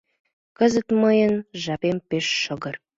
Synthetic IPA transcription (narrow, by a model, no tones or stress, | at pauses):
kə̆zə̆t̪məjənʒɑpempeʃːə̆ɣə̆r